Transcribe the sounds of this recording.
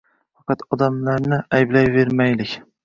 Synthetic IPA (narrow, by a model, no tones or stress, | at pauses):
fɑqɑt̪ɒd̪amlaɾnɪajblajve̞ɾmajlɪkʲ